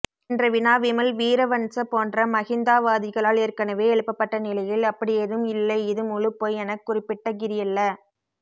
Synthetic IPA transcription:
ɪndrɐʋɪnaːʋɪmɐlʋiːɾɐʋɐnsɐpoːndrɐmɐɣɪnd̪aːʋaːðɪɣɐɭaːleːɾkɐnɐʋeːɛɭɯpːɐpːɐʈːɐnɪlɐjɪlɐpːɐɽɪɛðɯmɪlːɐɪɪðɯmʊɻɯpːoːjɛnɐkːʊrɪpːɪʈːɐɡɪɾɪjɐlːɐ

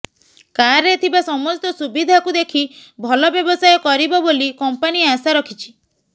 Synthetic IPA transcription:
kaɾet̪ʰibasɔmɔst̪ɔsubid̪ʱakud̪ekʰibʱɔlɔbjɔbɔsajɔkɔɾibɔbolikɔmpaniasaɾɔkʰit͡ʃʰi̥

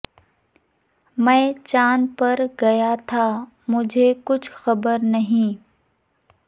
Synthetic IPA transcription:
mɛ̃ːt͡ʃaːnpɐɾɡɐjat̪ʰa | mʊd͡ʒʱekʊt͡ʃʰxɐbəɾnɐɦĩː

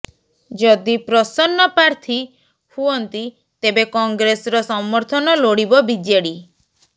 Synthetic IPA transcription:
d͡ʒɔd̪ipɾɔsɔnːɔpaɾt̪ʰi | huɔnt̪i | t̪ebekɔŋɡɾesɔɾɔsɔmːɔɾt̪ʰɔnɔloɽibɔbid͡ʒeɽi

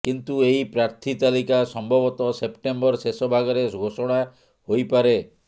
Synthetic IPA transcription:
kint̪ueipɾaɾt̪ʰit̪alikasɔmbʱɔbɔt̪ɔsepʈembɔɾsesɔbʱaɡɔɾeɡʱosɔɽ̃a | hojpaɾe

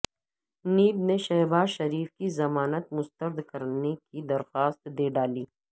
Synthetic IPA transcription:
niːbneʃɐɦbaːzʃɐɾiːfkizɐmaːnət̪mʊst̪əɾd̪kɐɾnekid̪ɐɾxaːst̪d̪eːɖaːliː

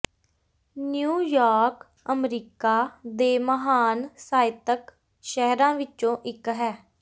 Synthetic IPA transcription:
njuːjaːɾk | əmɾiːkaːd̪eːməɦaːnsaːɪt̪ək | ʃɛɦɾãːʋɪt͡ʃõːʔɪkɦɛː

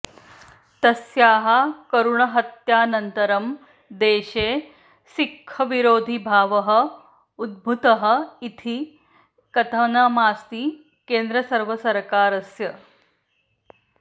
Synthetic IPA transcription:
t̪ɐsjaːɦɐkɐɾuɳɐɦɐt̪jaːnɐnt̪ɐɾɐm | d̪eːɕeː | sikʰːɐʋiɾoːd̪ʱibʱaːʋɐɦɐ̆ | ud̪̚bʱut̪ɐɦɐ̆it̪ʰi | kɐt̪ʰɐnɐmaːst̪iː | keːnd̪ɾəsɐɾʋɐsɐɾkaːɾɐsjɐ

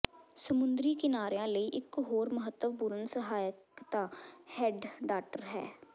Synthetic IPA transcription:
səmʊ̃nd̪ɾiːkɪnaːɾjãːləiːʔɪkɦoːɾməɦət̪ːəʋbʊɾənsəɦaːjəkt̪aːhɛːɖɖaːʈəɾɦɛ̰ː

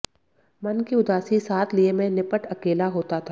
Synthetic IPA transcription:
mɐnkiʊd̪aːsisaːt̪ʰliemɛ̃nɪpəʈɐkeːlaɦoːt̪at̪ʰaː

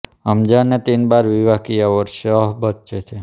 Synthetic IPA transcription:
əmd͡ʒanet̪inbaɾʋiʋakijaʋəɾʃeəɦbət̪̚t͡ʃet̪ʰi

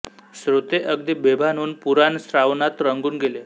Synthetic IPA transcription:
sɾot̪eʔəɡ̚d̪ibebʱanuːnpuɾansɾaʋnat̪ɾəŋɡuːnɡele

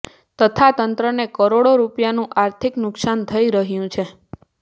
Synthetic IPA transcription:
t̪ət̪ʰat̪ənt̪ɾənekəɾoɽoɾupjanũʔaɾt̪ʰiknʊksant̪ʰəiɾəɦjũt͡ʃʰe

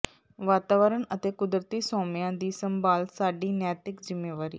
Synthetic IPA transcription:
ʋaːt̪aːʋəɾəɳət̪eːkʊd̪ɾət̪iːsoːmɪjãːd̪iːsəmbaːlsaːɖiːnɛːt̪ɪkzɪmːeːʋaːɾḭː

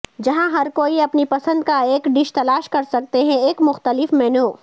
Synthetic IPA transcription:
d͡ʒɐɦãɦɐɾkoːiɐpnipɐsə̃nd̪kaeːkɖɪʃt̪ɐlaːʃkɐɾsɐk̚t̪eɦɛ̃eːkmʊxt̪əlɪfmɛːnoː

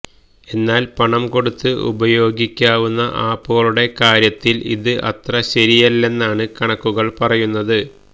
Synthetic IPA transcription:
e̞nːaːlpɐɳɐmko̞ɽut̪ːɨṵbɐjo̞ːɡikʲːaːʋunːɐʔaːpːoːɐɭuɽe̞kaːɾjɐt̪ːilḭðɨʔɐ̰t̪rɐɕɐɾijɐlːe̞nːaːɳɨkɐɳɐkːuɣɐɭpɐrɐjunːɐðɨ

